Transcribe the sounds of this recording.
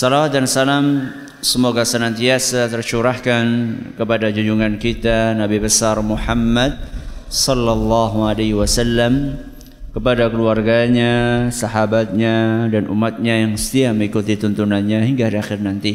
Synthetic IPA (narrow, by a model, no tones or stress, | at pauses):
sɔlawat̪̚dansalam | səmoɡasənant̪iasat̪ərt͡ʃuɾahkankəpadad͡ʒud͡ʒuŋankit̪anabibəsarmuħamːad̪̚sɔlːalːɑɦualaɦiwasalːam | kəpadakəluarɡaɲasaɦabat̪̚ɲadanṵmːat̪̚ɲajaŋsə̥t̪iaməŋikut̪it̪unt̪unanɲaɦiŋɡaaɾiaxɪrnant̪i